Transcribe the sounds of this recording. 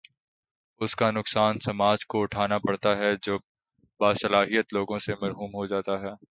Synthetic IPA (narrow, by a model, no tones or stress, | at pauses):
ʊskanʊksaːnsɐmaːd͡ʒkoʊʈʰaːnapɐɽt̪aɦɛd͡ʒob | baːsɐlaːɦijət̪loːɡõsemɐɾɦuːmɦod͡ʒaːt̪aɦɛː